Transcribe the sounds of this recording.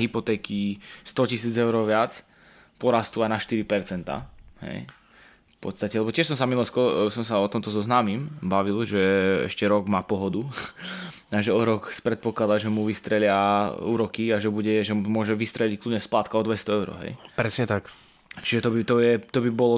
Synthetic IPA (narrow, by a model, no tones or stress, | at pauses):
ɦipɔt̪ɛːkist̪ɔcisiːd͡zɛʊɾɔʋɪat͡s | pɔɾast̪uajnaʃt̪iɾipɛɾt͡sɛnt̪a̰ɦɛ̰j | fpɔt̪st̪acɛlɛbɔtt͡ɕɪɛʃs̬ɔ̃msamilˠɔlskɔsɔmsaɔt̪ɔmt̪ɔzɔznaːmimbaʋilʒɛɛ̰ʃcɛɾɔɡmaːpɔɦɔd̪u | aʒɛɔɾɔkspɾɛt̪̚pɔklˠad̪aʒɛmuʋist̪ɾɛlɪauːɾɔkiaʒɛbuɟɛʒɛmʊɔʒɛʋist̪ɾɛʎickludɲɛsplaːt̪kaɔd̪ʋɛst̪ɔɛʊɾɔ̰ɦɛ̰jpɾɛsɲɛt̪ak | t͡ʃiʒɛt̪ɔbit̪ɔjɛt̪ɔbibɔlɔ